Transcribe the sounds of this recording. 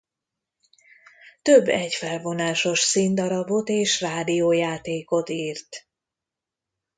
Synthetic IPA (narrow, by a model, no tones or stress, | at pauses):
t̪øbːɛɟfɛlvo̞naːʃo̞ʃsind̪ɒɾɒbo̞t̪eːʃraːd̪ijoːjaːt̪eːko̞t̪iːrt̪